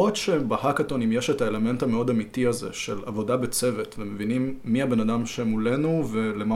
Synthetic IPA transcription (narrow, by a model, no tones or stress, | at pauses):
otʃebahakatonimjeʃetaele̞me̞ntameo̞damitiazḛʃela̰vodabet͡se̞vetvemevinimːiabe̞nadamʃemule̞nuvelema